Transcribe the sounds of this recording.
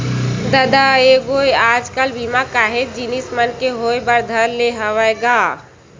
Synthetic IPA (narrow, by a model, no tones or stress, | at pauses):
d̪əd̪aeɡojaːd͡ʒkəlbʱimakaɦet̪̚d͡ʒinismənkeɦoebəɾd̪ʱəɾleɦəʋɛɡaː